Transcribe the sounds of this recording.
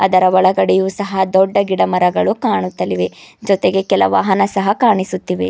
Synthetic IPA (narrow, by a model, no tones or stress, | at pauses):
ɐd̪ɐɾɐʋɔɭɐɡɐɽɛjuːsɐɦɐd̪ɔɖːɐɡiɽɐmɐɾɐɡɐɭukaːɳut̪ːɐliʋe̞d͡ʒɔt̪eɡekɛlɐʋa̰ːɦɐnɐsɐɦɐkaːɳisut̪ːiʋe̞